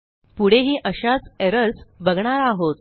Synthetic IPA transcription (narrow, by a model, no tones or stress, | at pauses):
puɽ̤eɦiːʔəɕat͡seɾəɾsbəɡɳ̃aɾaɦot̪̚